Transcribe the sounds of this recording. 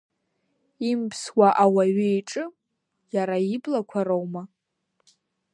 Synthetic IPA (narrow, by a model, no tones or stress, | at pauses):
impʰswaʔawaɥijʈ͡ʂʼɨ | jaɾaiblakʷʰaɾowma